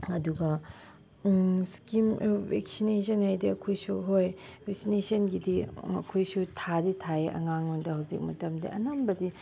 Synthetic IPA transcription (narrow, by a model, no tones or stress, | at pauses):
ɐduɡɐ | skimbek̚sinesɐnajdiɐkʰojsuɦojbek̚sinesɐnɡidiɐ̰kʰojsutʰaditʰaeʔɐ̰ŋaŋondɐhɐwzik̚mɐtɐmdḭʔɐnambɐdi